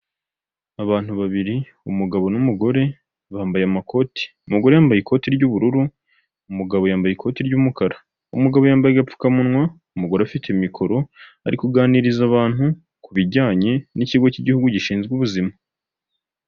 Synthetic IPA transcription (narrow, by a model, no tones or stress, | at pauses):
aβaːn̥huβaβiɾi | umuɡaβo̞numuɡo̞ɾe̞ | βaːmbajeamakʰo̞ti̥ | umuɡo̞ɾe̞jaːmbajikʰo̞tiɾɟuβuɾuɾu | umuɡaβo̞jaːmbajekʰo̞ːtiɾɟuːmukaɾa | umuɡaβo̞jaːmbajeɡap͡fu̥kamunŋwa | umuɡo̞ɾeafitemikʰo̞ɾo̞ | a̰ɾikuɡaːniɾizaβaːn̥hu | kuβiɟaːɲe̞niciɡo̞ciɟihuɡuɟiʃiːnzɡuβuzima